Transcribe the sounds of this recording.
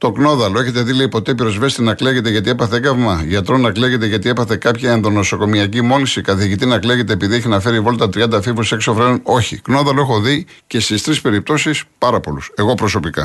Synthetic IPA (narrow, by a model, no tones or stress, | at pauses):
t̪o̞kno̞ðɐlo̞e̞çe̞t̪e̞ðileipo̞t̪e̞piɾo̞zve̞st̪inɐkleɣe̞t̪eʝɐt̪ie̞pɐθeɡɐvmɐʝɐt̪ɾo̞nɐkleɣe̞t̪̬e̞ʝɐt̪iepɐθe̞kɐpçɐenðo̞no̞so̞ko̞miɐcimo̞lisikɐθiʝit̪inɐkleɣe̞t̪̬e̞ːpiðieçenɐfe̞ɾivo̞lt̪ɐt̪ɾiɐnd̪ɐfivuse̞ksofɾenono̞çikno̞ðɐlo̞e̞xo̞ði | ce̞st̪ist̪ɾispe̞ɾip̚t̪o̞sispɐɾɐpo̞luse̞ɣo̞pɾo̞so̞pikɐ̰